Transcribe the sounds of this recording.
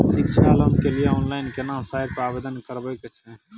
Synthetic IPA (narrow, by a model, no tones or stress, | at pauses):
ʃɪkʃʰaləmkelieɔːnlaɪnkenãːmsaːɪɾpɾaːbeːd̪ənkəɾbəket͡ʃʰɛ̃